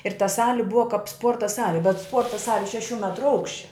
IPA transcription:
ɪr tɐ ˈsɑːlʲɪ ˈbʊɐ kɐp ˈspuɔrtɐ ˈsɑːlʲɪ bʲɛt ˈspuɔrtɐ ˈsɑːlʲɪ ʃʲɛˈʃʲuː ˈmʲæːtrʊ ˈɐʊkʃʲt͡ʃʲɛ

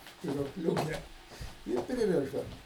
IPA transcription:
sʲpʲɪruɔkˈlʲuːkʲɛ ˈɪr pʲrʲɪˈrʲɪʒdɐm

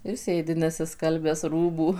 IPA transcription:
ɪr ˈsʲeːdʲɪ nʲɛsʲɪˈskɐlʲbʲæːs ˈruːbuː

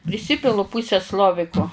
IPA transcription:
pʲrʲɪˈsʲɪpʲɪlˠʊ ˈpʊsʲɛˈslˠoːʋʲɪkoː

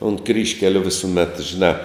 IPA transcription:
ʊnt ˈkrʲiːʃʲkʲɛlʲʊ ʋʲɪsʊˈmʲɛt ʒʲɪˈnɑː

